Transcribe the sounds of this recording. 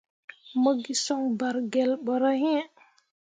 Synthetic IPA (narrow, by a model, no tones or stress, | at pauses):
məɡisɔŋbaɾɡɛlɓɔɾahĩ